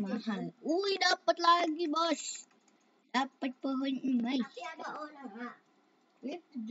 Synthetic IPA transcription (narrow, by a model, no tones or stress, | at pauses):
maɦaluidapət̪̚laɡibɔs | dapət̪̚pəɦəɲimaj